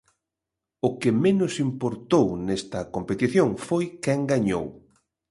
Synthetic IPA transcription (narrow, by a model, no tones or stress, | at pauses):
ʊkɪmenʊsimpoɾt̪ownest̪ɐkompet̪iθjoŋfojkɛŋɡaɲo̰w